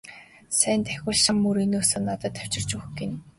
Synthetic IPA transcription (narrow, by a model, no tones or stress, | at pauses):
sæːnt̪æxʲʊ̆ːɮʃamːuɾinuːsoːnːat̪ə̆t̪ʰːæw̥t͡ɕɪ̆rt͡ɕuxɡen